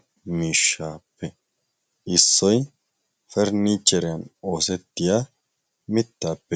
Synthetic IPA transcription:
miːʃːaːpːɛ | ʔɪsːɔj | fɛɾniːt͡ʃːɛɾɪjɐno̞ːsɛt̪ːɪjaː | mɪt̪ːaːpːɛ

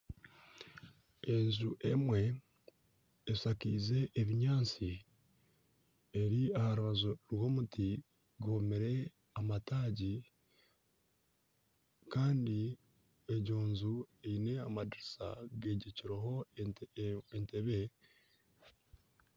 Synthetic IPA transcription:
e̞nzuʔemwe̞ | sakiːze̞ʔːβiɲaːt͡si | eɾiahaɾuβazoɾwo̞ːmutʰi | ɡuomeɾe̞ | amataːɟi | kaːndi | eɟoːnzueine̞amadiɾisa̰ɡe̞ːɟeciɾeɦo̞ | enteβe̞

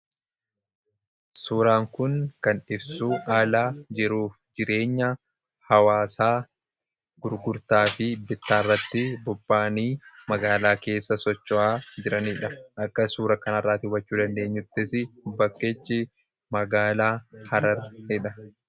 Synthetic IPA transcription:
suːɾaːŋkʊŋkɐnᶑɪbsuːʔaːlaːd͡ʒɪɾuːfd͡ʒɪɾe̞ːɲːɐ | hɐwaːsaː | ɡʊɾɡʊɾt̪aːfɪbɪt̪ːaːrːɐt̪ːɪbʊbːaːniːmɐɡaːlaːke̞ːsːɐsɔt͡ʃːɔʔaːd͡ʒɪɾɐniːᶑɐʔɐkːɐsuːɾɐkɐnɐrːaːt̪ɪwɐt͡ʃːuːd̪ɐnd̪e̞ːɲːʊt̪ːɪsɪbɐkːeːt͡ʃːɪ | mɐɡaːlaːhɐɾɐɾhɪᶑɐ

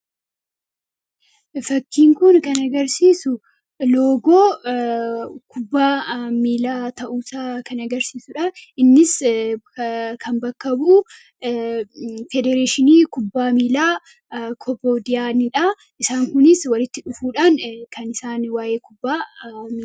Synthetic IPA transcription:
fɐkːiːŋkʊnkɐnɐɡɐɾsiːsʊ | lo̞ːɡoː | kʊbːaːmiːlaːt̪ɐʔuːsaːkɐnɐɡɐɾsiːsʊᶑɐʔɪnːɪs | kʰɐnbɐkːɐbuː | fɛd̪ɛɾeːʃɪniːkʊbːaːmiːlaː | kʰɔpoːd̪ɪjaːnɪᶑɐ | ʔɪsaːŋkʊnɪswɐlɪt̪ːɪᶑʊfuːᶑaːnkʰɐnɪsaːnwaːjeːkʊbːaːmiː

